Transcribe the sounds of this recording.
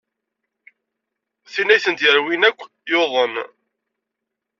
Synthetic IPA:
θinæjθənt̪jəɾwinækʷː | joðˤən

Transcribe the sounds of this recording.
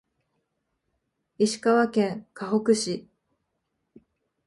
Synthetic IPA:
iɕi̥kaβakẽ̞ŋkaɦo̞kɯ̟ɕi

